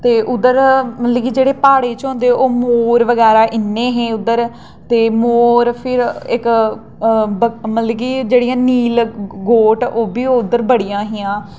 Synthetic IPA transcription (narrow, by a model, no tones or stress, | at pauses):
t̪eːʔʊd̪əɾmət̪lɛːɡiːd͡ʒeːɽeːpaːɽeːt͡ʃɦõːnd̪eːoːmoːɾʋəɡɛːɾaːʔɪnːẽːɦẽːʊd̪əɾ | t̪eːmoːɾpʰɪɾɪk | bəmət̪lɛːɡiːd͡ʒeːɽijãːniːlɡoːʈoːbiːoːʊd̪əɾbəɽijãːɦijãː